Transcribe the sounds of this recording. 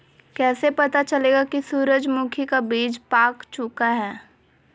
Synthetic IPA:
kɛːsepɐt̪at͡ʃɐleːɡakisuːɾəd͡ʒmʊkʰikabiːd͡ʒpaːkt͡ʃʊkaɦɛː

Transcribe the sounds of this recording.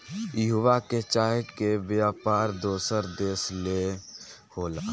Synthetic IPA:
jəɦuʋaket͡ʃaːɦkeʋjaːpaːɾd̪oːsəɾd̪eːsle | hoːlaː

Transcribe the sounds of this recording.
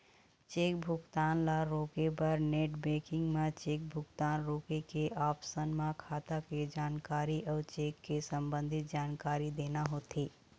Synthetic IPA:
t͡ʃeːk̚bʱʊkt̪aːnlaɾoːkepəɾneːʈbeːkɪ̃ŋɡmãt͡ʃeːk̚bʱʊɡt̪aːnɾoːkekeʔaːpsənmãkʰaːt̪aked͡ʒaːnkaːɾiʔɔːt͡ʃeːkːesə̃mbə̃nd̪ʱɪt̪̚d͡ʒaːnkaːɾid̪eːnaɦoːt̪iː

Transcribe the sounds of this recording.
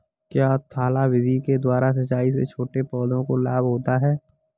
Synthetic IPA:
kjaːt̪ʰaːlawɪd̪ʱiked̪waːɾasɐt͡ʃaːis̬et͡ʃʰoːʈepɔːd̪õkolaːbɦoːt̪aɦɛː

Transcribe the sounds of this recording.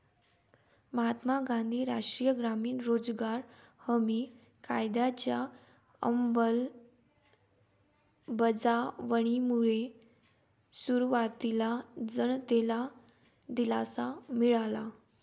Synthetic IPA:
məɦat̪maɡãnd̪ʱiːɾa̰ʂʈɾijəɡɾamiːnɾod͡zɡaɾhəmiː | ka̰jd̪jat͡ɕja | ə̰mbəl | bəd͡zaʋəɽ̃imuɭe | suɾuʋat̪ilad͡zəɳt̪ela | d̪ilasamiɭala

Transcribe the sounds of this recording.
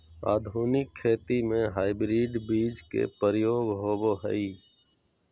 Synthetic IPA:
a̰ːd̪ʱuːnɪkʰːeːt̪imẽɦaːɪbɾiːɖbiːd͡ʒkḛpəɾjoːɡɦoːboɦə̰iː

